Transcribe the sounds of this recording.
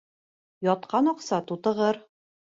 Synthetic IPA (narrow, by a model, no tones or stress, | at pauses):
jɒt̪̚qɑnɒqsɑt̪ut̪ɤ̆ʁɤɾ